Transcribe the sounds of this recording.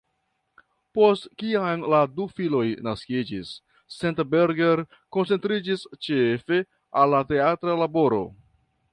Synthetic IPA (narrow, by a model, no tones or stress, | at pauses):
po̞stkianladufilo̞jnaskid͡ʒisː | entbeɾɡeɾ | ko̞nt͡se̞ntɾid͡ʒist͡ʃefe̞ | alːate̞atɾalabo̞ɾo̞̰